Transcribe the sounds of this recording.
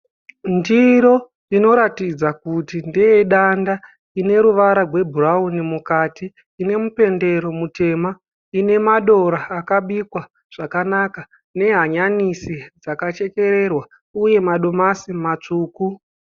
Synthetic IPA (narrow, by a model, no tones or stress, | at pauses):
ndiɾo̞ | ino̞ɾatid͡zakutindieɗanda | ine̞ɾuʋaɾarwe̞bʱuraunimukatiː | ne̞mupe̞nde̞ɾo̞mute̞ma | ine̞maɗo̞ɾaːkaɓikwa | ʐ̥akanaka | ne̞ɦaɲanisid͡zakat͡ʃe̞ke̞ɾe̞rwa | uje̞maɗo̞masimat͡ʂuːku